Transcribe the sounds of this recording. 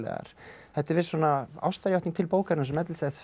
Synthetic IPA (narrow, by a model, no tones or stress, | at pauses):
lɛ̰ɣa̰ɾ̥θɛht̪ɛɾvɪːɾ̥swɔːnaa̰wst̪aɾjawht̪iŋ̚t̪ʰɪlpoːwkaɾnasɛmːɛt̪lsɛt̪f